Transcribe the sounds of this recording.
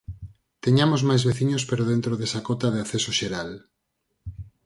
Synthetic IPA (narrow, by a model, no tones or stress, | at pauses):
t̪eɲamozmajzβeθiɲospeɾoð̞ent̪ɾoðesakot̪aðeaθesoʃeɾal